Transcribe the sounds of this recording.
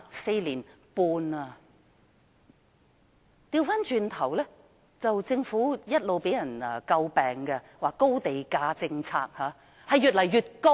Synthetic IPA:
se˧jliː˨˩n | puː˧na˧ | t̪iː˧wfaː˥nt͡ʃyː˨˧nt̪ʰɐ˨˩wlɛː˥ | t͡sɐ˨wt͡sɪ˧ŋfuː˨˥jɐ˥t̚lo˨wpe˨˥jɐ˨˩nɐː˧kɐ˧wpɛː˨˩ŋkɛ˧ | waː˨kːo˥wt̪e˨jkaː˧t͡sɪ˧ŋt͡sʰa̰ː˧k̚haː˨˧ | hɐ˨jːyː˨t̚lɐ˨˩jjyː˨t̚ko˥

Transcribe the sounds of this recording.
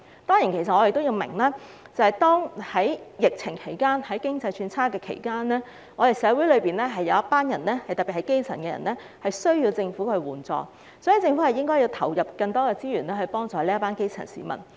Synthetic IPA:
t̪ɔː˥ŋjiː˨˩nkʰe˨˩s̬ɐ˨ɔː˨˧jɪ˨k̚t̪o˥jiː˧wmɪ̰˨˩ŋlaː˥t͡sɐ˨˩hɐ˨jt̪ɔː˥ŋhɐ˨˥jjɪ˨k̚t͡sʰɪ˨˩ŋkʰe˨˩jkaː˥nhɐ˨˥jkɪ˥ŋt͡sɐ˧jt͡ʃʰyː˧nt͡sʰaː˥kɛː˧kʰḛ˨˩jkaː˥nɛː˥ | ŋɔː˨˧t̪e˨˩jsɛː˨˧˥wu˨˥lɵ˨˧ɥpiː˨nɛː˥ɦɐ˨jːɐ˨˧wjɐ˥t̚paː˥njɐ˨˩nɛː˥hɐ˨jt̪ɐ˨t̚pːi˨˩hɐ˨˥jke˥jt͡sʰɐ̰˨˩nkɛː˧jɐ̰˨˩nɛː˥ | hɐ˨jsɵ˥ɥjiː˧wt͡sɪ˧ŋfuː˨˥kʰɵ˧ɥwuː˨˩nt͡sɔ̰ː˧ | sɔː˨˥ji˨˥t͡sɪ˧ŋfu˨˥hɐ˨jɪ˥ŋkɔː˥ji˧wt̪ʰɐ̰˨˩wjɐ˨p̚kɐ˧ŋt̪ɔː˥kɛː˧t͡siː˥ɥyː˨˩nɛː˥hɵ˧ɥpɔː˥ŋt͡sɔː˨liː˥ɐ˥paː˥nke˥jt͡sʰɐ̰˨˩nsḭː˨˥mɐ̰˨˩n

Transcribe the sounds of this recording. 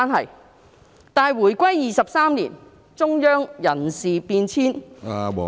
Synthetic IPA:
nɦɐ˨j | t̪aː˨jwuː˨˩jkʷɐ˥jːiː˨sɐ˨p̚saː˥mlḭː˨˩n | t͡sʊ˥ŋjœː˥ŋjɐ˨˩nsiː˨piː˧nt͡sʰiː˥n˨

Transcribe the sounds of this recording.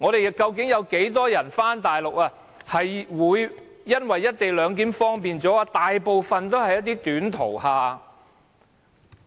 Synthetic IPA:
ŋɔː˨˧ɾe˨jkɐ˧wk̬ɪ˨˥ŋjɐ˨˧wke˨˥jt̪ɔː˥jɐ˨˩nfaː˥nt̪aː˨jlʊ˨k̚aː˧ | hɐ˨jwuː˨˧jː | ɐ˥nwɐ˨jːɐ˥t̚t̪e˨jlœː˨˧ŋk̬iː˨˥mfɔː˥ŋpiː˨nt͡sɔː˨˥˧t̪aː˨jpo˨˧wfɐ˨nt̪o˥whɐ˨jɐ˥t̪̚iː˥t̪yː˨˥nt̪ʰo̰˨˩whaː˨

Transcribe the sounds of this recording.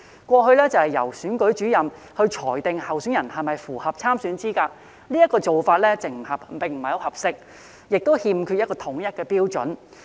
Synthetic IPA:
kʷɔː˧ɦɵ˧lɛː˥t͡sɐ˨whɐ˨˩jɐ̰˨˩wsyː˨˥nkɵ˨˥ɥt͡ʃyː˨˥jɐ˨m | hɵ˧ɥt͡ʃʰɔː˨˩jt̪ɪ˨ŋhɐ˨wsyː˨˥njɐ˨˩nhɐ˨jmɐ˨jfuː˨˩hɐ˨p̚t͡sʰaː˥msyː˨˥nt͡siː˥kaː˧ | liː˥jɐ˥t̚kɔː˧t͡so˨wfaː˧t̚lɛː˥t͡sɪ˨˩ŋm̩˨˩hɐ˨˩p̚pɪ˨˩ŋm̩˨˩hɐ˨jɐ˧whɐ˨p̚sɪ˥k̚ | jɪ˨k̚t̪o˥whiː˧mkʰyː˧jɐ˥kɔː˧t̪ʰʊ˨˥ŋjɐ˥t̚kɛː˧piː˥wt͡ʃɵ̰˨˥n

